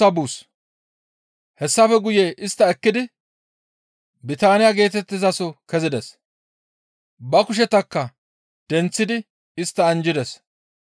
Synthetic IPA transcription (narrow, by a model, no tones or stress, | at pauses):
ɐbuːs | hɛsːɐfɛɡʊjeʔɪst̪ːɐɛkːɪd̪ɪ | bɪt̪aːnɪjaɡe̞ːt̪ɛt̪ːɪzɐsɔkɛzɪd̪ɛs | bɐkʊʃ̬ɛt̪ɐkːɐ | d̪̥ɛnt͡sːɪd̪ɪ | ɪst̪ːɐːnd͡ʒɪd̪ɛs